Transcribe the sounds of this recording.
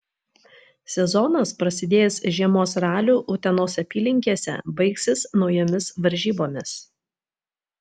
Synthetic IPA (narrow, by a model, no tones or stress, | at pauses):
sʲɛzɔnɐspɾɐsʲɪd̪ʲeːjsʒʲiɛmoːsɾɑːlʲuːʔʊt̪ʲɛnoːsʲɐpʲiːlʲɪŋʲkʲiɛsʲɛ̰bɐɪksʲɪsnɒʊjɛmʲɪsʋɐɾʲʒʲiːboːmʲɪs